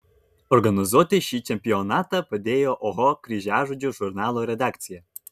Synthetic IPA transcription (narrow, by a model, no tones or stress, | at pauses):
orɡɐnozot̪ʲeɕit͡ɕemʲpʲionat̪ə̆pə̆d̪ʲejoʔoɦokrʲiʑaʐud͡ʑʲuʒurnalˠuɾʲed̪akt͡sʲije